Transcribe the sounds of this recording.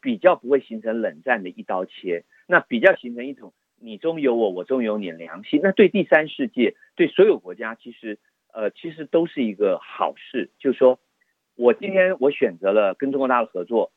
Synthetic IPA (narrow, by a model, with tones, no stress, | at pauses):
pi˨˩t͡ɕjɑ˥˩ʊpu˧˥xwe˥˩ɪɕi˧˥ŋʈ͡ʂʰɤ˧˥ŋlə˨˩ŋt͡sa˥˩nd̪ə˩ʔi˥˩t̪ɑ˥ʊt͡ɕʰjɛ˥ | na˥˩pi˨˩t͡ɕjɑ˥˩ʊɕi˧˥ŋʈ͡ʂʰɤ˧˥ŋi˥˩ʈ͡ʂʊ˨˩˦ŋ | ni˨˩ʈ͡ʂʊ˥ŋjo˧˥ʊwɔ˧˩wɔ˨˩ʈ͡ʂʊ˥ŋjo˧˥ʊni˨˩ljɑ̰˧˥ŋɕi˥˧na˥˧t̪we˥˧ɪt̪i˥˩sa˥nʂɻ̩˥˧t͡ɕjɛ˥˩ | t̪we˥˩ɪswɔ˧˥jo˨˩ʊkwɔ˧˥t͡ɕja˥t͡ɕʰi˧˥ʂɻ̩˧˥ | ə˧t͡ɕʰi˧˥ʂɻ̩˧˥t̪o˥ʊʂɻ̩˥˩i˧˥ɡə˧xɑ˨˩ʊʂɻ̩˥˩t͡ɕjo˥˧ʊʂʂwɔ˥ | wɔ˨˩t͡ɕi˥nt̪ʰjɛ˥nwɔ˧˥ɕɥɛ˨˩nt͡sɤ˧˥lə˧kə˥nʈ͡ʂʊ˥ŋkwɔ˧˥t̪a˥˩də˩xɤ˧˥t͡swɔ˥˩